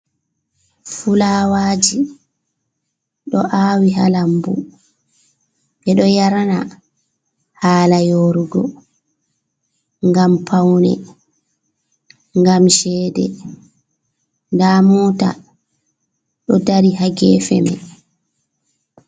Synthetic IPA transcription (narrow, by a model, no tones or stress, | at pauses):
fulawaːd͡ʒi | ɗɔʔaːwiɦalambṵ | ɓɛɗɔjaɾana | haːlajoɾuɡɔ̰ | ŋɡampʰawnɛ̰ | ŋɡamʃɛːdɛ̰ | ndamɔta̰ | ɗɔdaɾiɦaɡɛːfɛmɛ̰